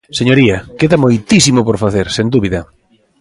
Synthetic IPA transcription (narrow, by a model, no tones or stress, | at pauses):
seɲoɾiɐkeðɐmojt̪isimopoɾfaθeɾsend̪uβiðɐ